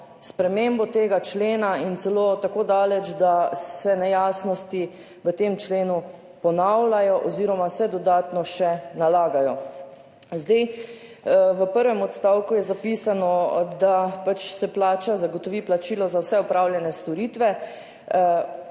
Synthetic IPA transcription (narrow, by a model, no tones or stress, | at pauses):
spɾɛmembɔt̪eːɡat͡ʃleːnaint̪sɛlot̪akoːd̪aːlɛt͡ʃd̪asɛnɛjaːsnɔst̪i | ʋət̪eːmt͡ʃleːnu | pɔnawlajɔʔɔziːɾɔmasɛd̪ɔd̪aːt̪nɔʃɛnalaːɡajɔ | zd̪aj | ʋəpəɾʋɛmɔt̪st̪awkujɛzapiːsanɔd̪apat͡ʃsɛplaːt͡ʃazaɡɔt̪ɔʋiːplat͡ʃiːlɔzawsɛɔpɾawljɛnɛst̪ɔɾiːt̪ʋɛ